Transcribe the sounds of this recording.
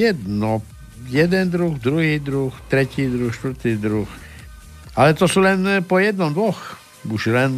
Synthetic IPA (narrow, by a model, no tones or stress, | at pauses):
jɛd̪nɔ | jɛd̪ɛnd̪ɾuɣd̪ɾuɦiːd̪ɾuxt̪ɾɛciːd̪ɾuxʃt̪vr̩t̪iːd̪ɾux | ʔalɛt̪ɔsulɛnpɔjɛd̪nɔmd̪ʋɔx | uʃlɛn